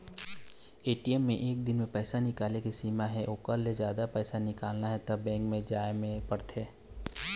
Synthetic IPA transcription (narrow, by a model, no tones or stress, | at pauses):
eːʈijɛmːḛ̃ʔeːk̚d̪ɪnmẽpɛːsanɪkaːlekisiːmaɦɛʔoːkəɾlezjaːd̪apɛːsanɪkaːlnaɦɛt̪ɐbːɛ̃ːŋkmẽd͡ʒaːemẽpɐɽt̪ʰeː